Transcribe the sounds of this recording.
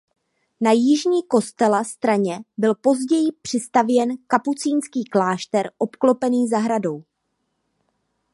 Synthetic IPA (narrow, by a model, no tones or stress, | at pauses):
najɪʒɲiːko̞st̪ɛlast̪ɾaɲɛbɪlpo̞zɟɛjɪpr̥ɪst̪avjɛnkaput͡siːnskiːklaːʃt̪ɛɾʔo̞pklo̞pɛniːzaɦɾado̞w